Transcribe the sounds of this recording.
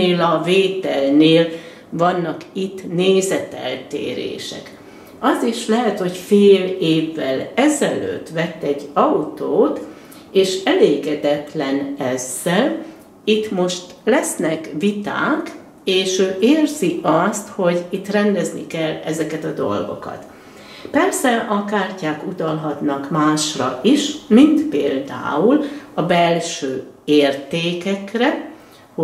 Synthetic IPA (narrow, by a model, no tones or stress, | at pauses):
eːlɒveːt̪ɛlneːl | vɒnːɒkit̪ːneːzɛt̪ɛ̰lt̪ḛːɾḛːʃɛ̰k | ɒziʃlɛɦɛt̪ho̞cfeːleːvːɛlɛzɛlø̰ːt̪ːʋɛt̪ːɛɟːɒut̪oːt̪ | eːʃɛleːɡɛd̪ɛt̪lɛnɛz̥ːɛl | it̪mo̞ʃt̪lɛsnɛkʋit̪a̰ːk | eːʃøːʔeːrziʔɒst̪ho̞ɟit̪ːrɛnd̪ɛznḭkɛlːɛzɛkɛt̪ɒd̪o̞̰lɡo̞̰kɒ̰t̪ | pɛrsɛʔɒkaːrcaːkut̪ɒlɦɒt̪nɒkmaːʃrɒ̰ʔiʃmint̪peːld̪a̰ːulɒbɛlʃøːeːrt̪eːkɛkrɛ | h